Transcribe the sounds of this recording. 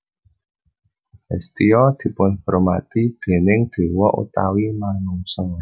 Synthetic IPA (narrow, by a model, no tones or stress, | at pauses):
ɛ̰st̪iɔd̪̥i̤pʊnhɾoma̰t̪id̪̥e̤nɪŋd̪̥e̤wɔʔṵt̪a̰wimanuŋsɔŋ